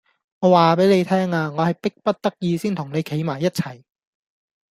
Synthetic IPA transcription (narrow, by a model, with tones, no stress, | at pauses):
ŋɔː˨˧waː˨pe˨˥jne˨˧jt̪ʰɛː˥ŋaː˧ŋɔː˨˧hɐ˨jpɪ˥k̚pɐ˥t̚t̪ɐ˥k̚jiː˧siː˥nt̪ʰʊ˨˩ŋne˨˧jkʰe˨˥jmaː˨˩jːɐ˥t̚t͡sʰɐ˨˩j